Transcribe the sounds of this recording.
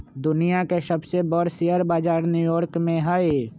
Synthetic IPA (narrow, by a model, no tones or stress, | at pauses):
d̪ʊnijakesəbsebɔːɾsiəɾbaːd͡ʒaːɾnjuːjɔːɾkmẽɦaːe